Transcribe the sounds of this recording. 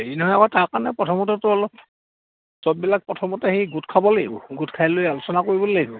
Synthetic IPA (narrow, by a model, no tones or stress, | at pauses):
einɛɦɔjakɔtaɹkaɹnɛpɹɔtʰɔmɔtɛtʊɔlɔp̚ | sɔb̚bilak̚pɹɔtʰɔmɔtɛhejɡutkʰabɔleɡʊ̰ɡutkʰajlojalʊsɔnakoɹibɔlejɡʊ